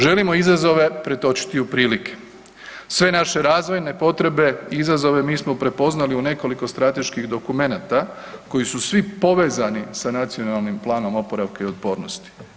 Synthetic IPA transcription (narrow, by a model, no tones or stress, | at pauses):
ʒe̞limo̞izazo̞ʋe̞pɾe̞t̪o̞t͡ʃi̥t̪iupɾiːlikʰe̥ | sʋe̞naʃe̞ɾaːzʋo̞jne̞po̞t̪ɾe̞be̞iizazo̞ʋe̞miːsmo̞pɾe̞po̞znaliune̞ko̞liko̞st̪ɾat̪e̞ʃkiɣd̪o̞kume̞nat̪a | ko̞jisusʋipo̞ʋe̞ːzanisanat̪sio̞nalˠnimplˠaːno̞mo̞po̞ɾaʋkeio̞t̪̚po̞ːɾnost̪i̥